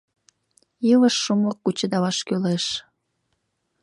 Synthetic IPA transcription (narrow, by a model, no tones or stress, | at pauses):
iləʃːumokːut͡ɕəd̪ɑβɑʃkøleʃ